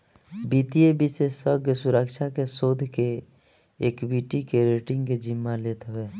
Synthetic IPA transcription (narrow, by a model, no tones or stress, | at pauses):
biːt̪iebisesəɾɡjəsʊɾəkʃakesoːd̪ʱke | eːkbiːʈikeɾeːʈɪ̃ŋɡked͡ʒɪmːalet̪ʋeː